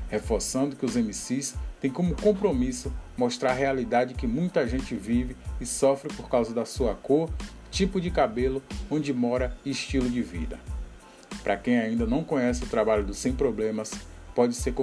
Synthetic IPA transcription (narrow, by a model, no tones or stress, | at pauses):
hefoɾsɐ̃nd̪ʊkɪʊzẽmisist̪ẽj̃kõmʊkõpɾomisʊmoʃt̪ɾaɾɦealid̪ad͡ʒɪkɪmũj̃t̪ɐʒẽnt͡ʃɪvivɪːsɔfɾɪpoɾkawzɐd̪ɐsuɐkoɾ | t͡ʃipʊd͡ʒɪkabelʊõd͡ʒɪmɔɾɐɪʃt͡ʃilʊd͡ʒɪvḭd̪ɐ̰ | pɾʔɐkẽj̃aĩnd̪ɐnɐ̃w̃kõɲɛsɪʊt̪ɾabaʎʊd̪ʊsẽj̃pɾoblẽmɐspɔd͡ʒɪseɾkõ